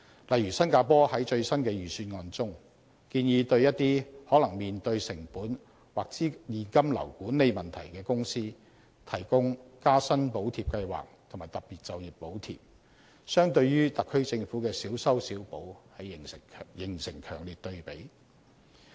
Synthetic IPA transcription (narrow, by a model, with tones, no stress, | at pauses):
lɐ˨jɥyː˨˩sɐ˥nkaː˧pɔː˥hɐ˨˥jt͡ʃɵ˧ɥsɐ˥nkɛː˧jyː˨syː˧nŋɔː˧nt͡sʊ˥ŋ | kiː˧njiː˨˧t̪ɵ˧ɥjɐ˥t̚t̪iː˥hɔː˨˥lɐ˨˩ŋmiː˨nt̪ɵ˧ɥsɪ˨˩ŋpuː˨˥n | waː˨k̚t͡siː˨˥jiː˨nkɐ˥mlɐ̰˨˩wkuː˨˥nle˨˧jmɐ˨nt̪ʰɐ̰˨˩jkɛː˧kʊ˥ŋsiː˥ | t̪ʰɐ˨˩jkʊ˥ŋkaː˥sɐ˥npo˨˥wt̪ʰiː˨˩p̚kɐ˧jwa̰ː˨k̚t̪ʰʊ˨˩maː˨˩jt̪ɐ˨p̚piː˨˩t̚t͡sɐ˨wjɪ˨p̚po˨˥wt̪ʰḭː˨p̚ | sœː˥ŋt̪ɵ˧ɥjyː˥t̪ɐ˨kʰːɵ˥ɥt͡sɪ˧ŋfuː˨˥kɛː˧siː˨˥wsɐ˥wsiː˨˥wpo˨˥whɐ˨jjɪ˨˩ŋsɪ˨˩ŋkʰœ̰ː˨˩ŋliː˨t̚t̪ɵ˧ɥpe˨˥j